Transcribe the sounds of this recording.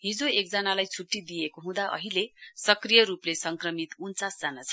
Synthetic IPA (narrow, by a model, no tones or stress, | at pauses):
ɦid͡zoek̚d͡zʌnalajt͡sʰuʈːid̪ijekoɦũd̪aʔʌ̰ɦilesʌkrijʌɾuplesʌŋkrʌmit̪unt͡sasd͡zanat͡sʰʌ̥